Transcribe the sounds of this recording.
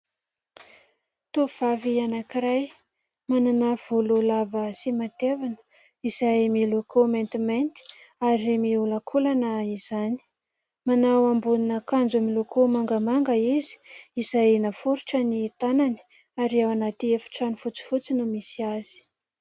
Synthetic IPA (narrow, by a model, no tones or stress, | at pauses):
t̪uv̥avianakiɾaj | mananav̥ululavəsimat̪evanə̥ | izajmilokʰoment̪iment̪i̥aɾimiuləkʰulanəiz̥ani̥ | manawambuninəkand͡zumilokʰomaŋɡamaŋɡəizi̥izajnafuɾuʈ͡ʂənit̪anani̥ | aɾiawanat̪iefḁʈ͡ʂanifut͡si̥fut͡sinumisiaz̥i̥